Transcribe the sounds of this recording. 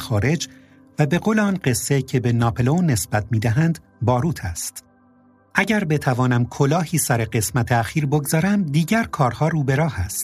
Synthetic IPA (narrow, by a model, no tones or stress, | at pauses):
xɒːɾe̞d͡ʒ | væbe̞ɣoːleɒːnɢe̞sːe̞cʰe̞be̞nɒːpʰelonːe̞sb̥æt̪̚ʰmiːd̪æɦænd̪ | bɒːɾuːt̪ʰæst̪ | ʔæɟæɾbe̞t̪ʰævɒːnæmkʰolɒːhiːsæɾe̞ɡe̞smæt̪ʰe̞æxiːɾboɡzɒːɾæmd̪iːɟæɾkʰɒːɾhɒːɾuːbe̞ɾɒːhæst̪̚